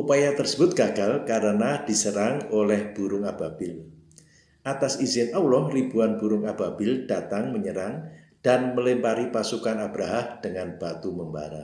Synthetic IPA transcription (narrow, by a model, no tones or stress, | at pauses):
ʔupajat̪ərsəbʊt̪̚ɡ̥aɡ̥alkaɾənad̥isəɾaŋolɛhb̥uɾʊŋab̥ab̥ɪl | ʔat̪asizɪnʔawlɔhribuanbuɾʊŋab̥abɪld̥at̪aŋməɲəɾaŋ | d̥anməlɪmpaɾipasukanab̥ɾaɦamd̥əŋanb̥at̪uməmba̰ɾa̰